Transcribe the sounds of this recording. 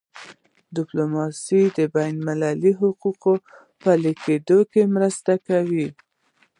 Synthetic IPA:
d̪ɪplomɑsid̪əbajnmɪlaliɦʊquqo | pəliked̪okemɾəst̪akawi

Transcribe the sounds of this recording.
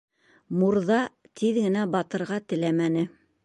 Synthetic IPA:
muɾðɑ | t̪ʰiðɡɘ̆næbɑt̪ɤ̆ɾʁɑt̪ɘ̆læmænɘ

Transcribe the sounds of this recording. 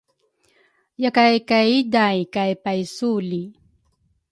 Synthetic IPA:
jakajkaidajkajpajsuli

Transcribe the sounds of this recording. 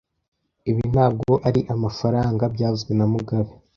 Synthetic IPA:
iβin̥aːb̚ɡoʔaɾiʔamafaɾaːŋɡabɟaːzɡwenamuɡaβe

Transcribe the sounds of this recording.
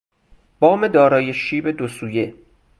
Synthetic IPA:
b̥ɒːme̞d̪ɒːɾɒːjeʃiːbe̞d̪osuːje

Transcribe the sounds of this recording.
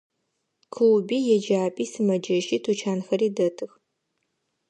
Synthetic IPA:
kʰɨwbiːjɛd͡ʒaːpʼiːsɨmɐd͡ʒɐʃiːtʰut͡ʃʰaːnxɐɾiːdɐtʰɨx

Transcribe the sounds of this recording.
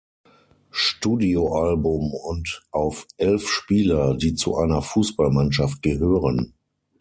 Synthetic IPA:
ʃtuːdioʔalbʊmʊntʔaʊfʔɛlfʃpiːlɐdiːt͡sṵʔa̰ɪnɐfuːsb̥almanʃaft̚ɡ̥əɦøːʁən

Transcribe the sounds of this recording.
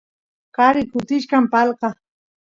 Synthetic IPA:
kaɾɪkʊt̪ɪʃkampɑlɢɑ

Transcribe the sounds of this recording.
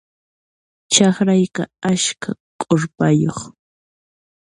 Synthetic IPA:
t͡ʃɑχɾajqaaʃkakʼoɾpajoχ

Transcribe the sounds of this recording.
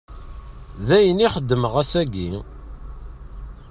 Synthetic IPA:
ðæjəniχəd̪ːəməʁæsæɡi

